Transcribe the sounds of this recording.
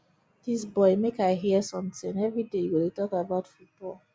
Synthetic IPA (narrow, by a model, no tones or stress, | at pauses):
d̥isbɔɪmekaɪɦiəsʌ̃mtɪ̃ŋɛvɹidejwəetɔkəbaʊtfut̚b̥ɔlˠ